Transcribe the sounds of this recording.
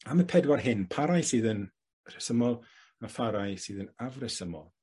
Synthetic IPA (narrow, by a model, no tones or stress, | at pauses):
aməpʰɛdwarɦɪnpʰaɾajsɨːðən | rɛsəmɔlˠ | afaɾajsɨːðənavrɛsəmɔ̰lˠ